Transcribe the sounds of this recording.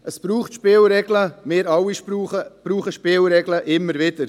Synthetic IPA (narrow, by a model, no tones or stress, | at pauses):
ʔəsb̥ɾuːχtʃpɪːlɾɛɡləmɪːɾɑwiʃuəb̥ɾuːχəʃpɪːlɾɛɡləʔɪmːəɾʋɪd̥əɾ